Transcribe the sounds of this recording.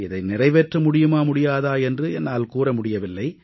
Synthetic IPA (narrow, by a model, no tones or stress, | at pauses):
ɪðɐɪnɪrɐɪʋeːʈrɐmʊɽɪjɯmaːmʊɽɪjaːðaːɛndrɯɛnːaːlkuːrɐmʊɽɪjɐʋɪlːɐɪ